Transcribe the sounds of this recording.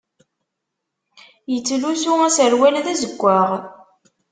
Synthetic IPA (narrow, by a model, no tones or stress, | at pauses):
jət͡sːlusuæsəɾwælðæzəɡʷːaʁ